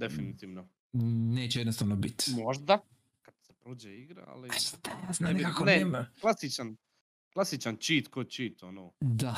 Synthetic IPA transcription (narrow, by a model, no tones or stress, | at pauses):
d̪efinit̪iːʋno | neːt͡ɕɛjɛd̪nost̪aʋnobit̪moʒd̪a | kad̪sepɾoːd͡ʒeiɡɾa̰a̰lit̪ajaːznaenikakneemaklˠasit͡ʃan | klˠasit͡ʃant͡ʃiːt̪kot͡ʃiːt̪onoːd̪a